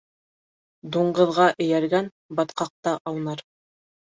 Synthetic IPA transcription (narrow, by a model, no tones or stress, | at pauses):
d̪uɴɢɤ̆ðʁɑʔɘ̆jæɾɡæn | bɑt̪qɑq̚t̪ɑʔɑw̪nɑɾ